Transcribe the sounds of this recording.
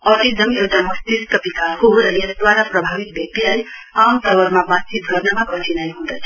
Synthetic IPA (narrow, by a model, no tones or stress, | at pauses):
ɔʈizəmewʈamɔst̪iskəpikalɦuɾəəsd̪ʋaɾapɾəbʱaʋit̪̚bjək̚t̪iɦaj | amt̪əʋəɾmãbat̪̚t͡ʃit̪̚ɡʱəɾnamãkə̃t͡ʃinajɦũd̪ət͡ʃʰ